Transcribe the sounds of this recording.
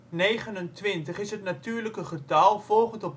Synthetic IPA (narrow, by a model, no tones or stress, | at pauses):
nejχənəntʋɪntəχɪsɦətnatyːɹləkəχətɑlˠvɔlˠχəntɔp